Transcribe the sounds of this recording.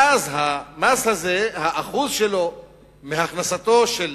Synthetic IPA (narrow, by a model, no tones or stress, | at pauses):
azɦamashaze̞haʔaχuzʃelo̞ | meɦaχnasat̪o̞ʃel